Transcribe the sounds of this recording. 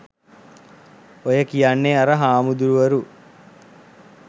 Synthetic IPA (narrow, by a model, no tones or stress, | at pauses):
ojɐkijaɳːeɐɾɐɦaːmud̪uɾuʋɐɾu